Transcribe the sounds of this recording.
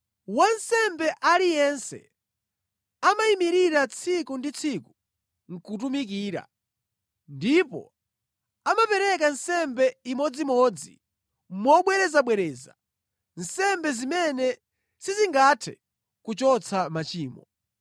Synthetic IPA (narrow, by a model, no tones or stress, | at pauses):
wansɛmbɛʔalijɛnsɛ̰ | amaimiɾiɾat͡sʰikundit͡sʰiku | ŋ̩kut̬umik̬iːɾa̰ | ndipɔ̰ | amapɛɾɛk̬ansɛmbɛimɔd͡zimɔd͡zi | mɔɓwɛɾɛzaɓwɛɾɛːza̰ | n̩sɛmbɛzimɛnɛ | siziŋɡatʰɛ̰ | kut͡ʃɔt͡sʰamat͡ʃiːmɔ